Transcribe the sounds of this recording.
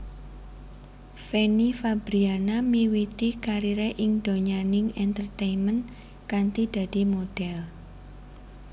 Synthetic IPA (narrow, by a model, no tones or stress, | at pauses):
fenifabɾianamiwit̪ikaɾiɾeʔɪŋd̥oɲanɪŋɛnt̪ərt̪ejnmən | kant̪id̪̥a̤d̥i̤moɖ̥ɛl